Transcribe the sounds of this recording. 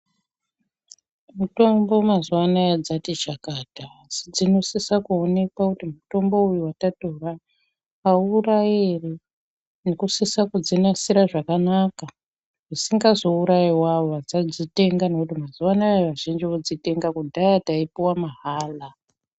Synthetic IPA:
muto̞mbo̞mazuwanajad͡zatit͡ʃakatasid͡zino̞sisakuo̞ne̞kakutimuto̞mbo̞ujuwatato̞raː | urajere | nekusisakud͡zinasiɾaʐakanaka | ʐisiŋɡazo̞uɾajiwaoʋat͡sad͡zite̞ŋɡane̞kutimazuwanaʋaʒind͡ʒiod͡zite̞ŋɡakudʱajataipiwamaɦaːla

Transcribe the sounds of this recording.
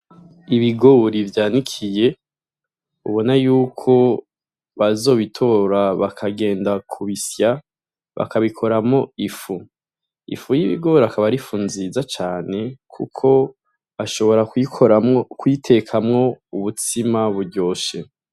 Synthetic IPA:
iβiɡoɾivjaːnikʰije̞ | uβo̞najuːkʰo̞ | βazo̞ːβitʰo̞ɾaβakʰaɡe̞ːndakʰuβisja | βa̰kʰaβikʰo̞ɾamŋo̞ifu | ḭfujiβḭɡo̞ːɾakaβaɾifuːnzizat͡ʃaːne̞kʰṵkʰo̞ | aʃo̞βo̞ɾakioɾkwitʰe̞kʰamŋo̞uβutimaβuɾɟo̞ːʃe

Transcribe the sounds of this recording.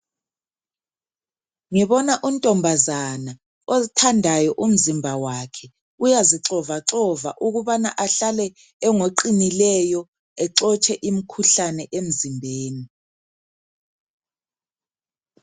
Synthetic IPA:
ŋiβɔnaʔun̩tʼɔmbʱazana | ozitʰandʱajɔʔum̩zimbʱawakʰɛ | ujaziǁɔvaǁɔva̰ʔuɣuβanaʔaɬalɛ | ɛŋoǃinilɛjɔ | ɛǁɔt͡ʃʰʼɛʔim̩kʰuɬanɛʔem̩zimbʱeːni

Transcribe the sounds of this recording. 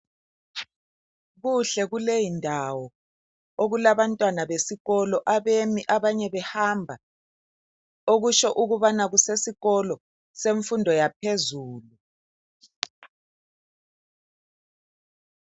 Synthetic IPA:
ɣuɬɛɣulejindʱawɔ | oɣulaβantʼwanaβesiɣɔlɔʔaβemiʔaβaɲɛβɛhambʱa | oɣuʃɔʔuɣuβanaɣusesiɣɔlɔ | seɱfundʱɔjap̚ʰezuːlu

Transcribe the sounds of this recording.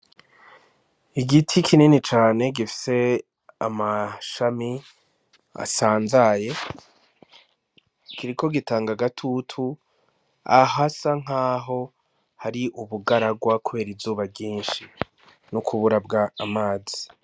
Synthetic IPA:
iɡitʰikʰininit͡ʃaːne̞ɡifi̥se̞ | a̰maʃami | a̰saːnzaje̞ | kiɾikʰo̞ɡitaːŋɡaɡatʰutʰu | a̰ɦasaŋ̥aːɦo̞ | haɾiʔuβuɡaɾaɡwakuβe̞ːɾizuːβabɟiːnʃi | nukʰuβuɾabɡaːmaːzi̥

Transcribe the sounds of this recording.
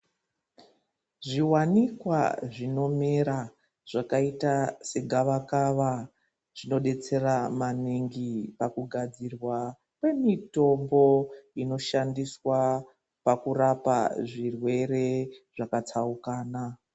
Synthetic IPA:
ʐiwanikwa̰ʐino̞meɾa | ʐ̥akaitase̞ɡʱaʋakaʋa | ʐ̥ino̞ɗe̞t͡se̞ramaniŋɡipakuɡʱad͡zirwa | kwe̞mito̞mbo̞ino̞ʃandiswa | pakurapa̰ʐirwe̞ɾe̞ʐakat͡saukaːna

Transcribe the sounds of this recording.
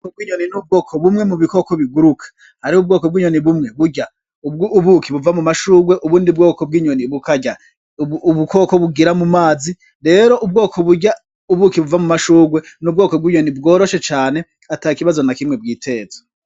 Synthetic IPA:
kobɡiːɲoninub̚ɡo̞ːkʰoβumŋe̞muβiko̞koβiɡuɾukʰḁ | haɾiub̚ɡo̞ːkob̚ɡiːɲo̞niβumŋe̞βuɟa | uβuːkiβuvamumaʃuːɡweʔuβuːndib̚ɡo̞ːkob̚ɡiːɲo̞niβukaɟa | βuko̞ːkoβuɡiɾamumaːzi | ɾe̞ːɾo̞ʔub̚ɡo̞ːkʰoβuɟa | uβukiβuvamumaʃuːɡwenubɡo̞ːkobɡiːɲo̞nib̚ɡo̞ːɾo̞ʃe̞t͡ʃaːne̞ | ataːikiβazo̞nakimŋebɡiːtʰeːzo̥

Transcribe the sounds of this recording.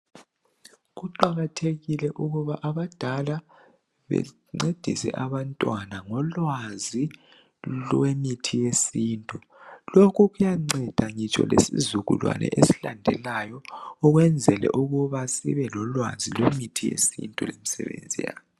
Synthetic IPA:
ɣuǃaɣatʰeɣilɛʔuɣuβaʔaβad̥ʱala | βɛ̰ | ŋ͡ǀed̥ʱḭsɛ̰ʔaβantʼwanaŋɔlwazi | lwemitʰijesiːntʼu | lokʰuɣujaŋ͡ǀɛd̥ʱaŋit͡ʃʼɔ̰lesizuɣṵlwa̰nʔɛ̰ʔesi̥landʱɛlajɔɔɣwɛnd͡zʱɛlɛ̰ʔuɣuβasḭβɛlɔlwa̰zilwemitʰijḛsḭntʼulemisɛ̰βḛnd͡zʱija̰ːβɔ

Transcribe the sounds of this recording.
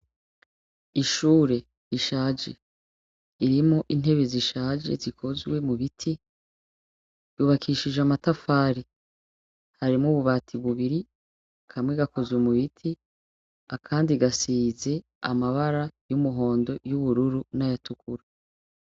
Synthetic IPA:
iʃuːɾe̞ | jiʃaːd͡ʒe̞ | iɾimoʔin̥ɦe̞βeziʃaːd͡ʒe̞̰zikʰo̞zɡwe̞muβitʰi | juβakʰiʃid͡ʒamatafaːɾi | haɾimŋuβuβaːtʰiβuβiɾi | kʰamŋweɡako̞zwumuβitʰi | akʰaːndiɡasiːze̞ | a̰maβaɾajumuɦo̞ːndo̞juβuɾuɾunajatukuɾa

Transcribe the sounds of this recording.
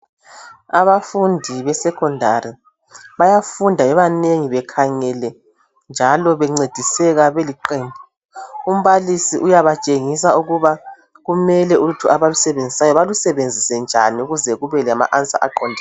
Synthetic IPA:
a̰βafundʱiβɛsɛkʰɔndʱari | βajafundʱaɛβaneŋiβɛkʰaŋɛlɛ | nd͡ʒʱalɔβɛŋ͡ǀed̥ʱisɛɣaβeliǃiːmbʱɔ | um̩βalisiʔujaβat͡ʃʼeŋisauɣuβa | ɣumɛlɛuutʰuʔaβalusɛβend͡zʱisajɔβalusɛβend͡zʱisɛnd͡ʒʱa̰niuɣuzɛɣuβɛlɛama̰ʔant͡sʼa̰ʔa̰ǃɔndʱi

